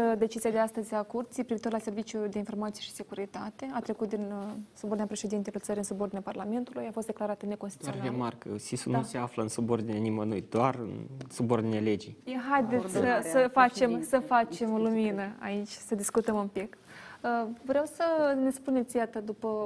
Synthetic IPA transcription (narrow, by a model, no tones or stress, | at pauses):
əd̪e̞t͡ʃiziad̪e̞ast̪əzʲakurt̪sipɾivit̪orlase̞rvit͡ʃjud̪e̞info̞rmat̪sije̞ʃi̥se̞kuɾit̪at̪e̞at̪ɾe̞kut̪̚d̪insubord̪inʲapɾe̞ʃe̞d̪int̪elut̪səɾiɨnsubord̪inʲaparlame̞nt̪ulujafost̪d̪eklaɾat̪əne̞ko̞nst̪it̪emarkəsisunuseafləɨnsubord̪inʲenimənujd̪oarɨ̰nsubord̪ineled͡ʒijjeɦajd̪esəsəfat͡ʃe̞msəfat͡ʃe̞moluminəa̰it͡ʃʲsəd̪iskut̪əmɨmpik | əvɾeawsəne̞spune̞t̪sʲjat̪əd̪upə